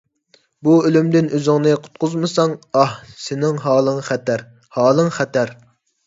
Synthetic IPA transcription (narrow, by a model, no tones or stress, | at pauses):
buølymd̪ɪnøzɪŋnɨqʰʊ̥t̪̚qʊzmɨsɑŋɑhsɪnɪŋɦɑːlˠəŋχæt̪ʰæɾ | hɑːlˠɨŋχæt̪ʰæɾ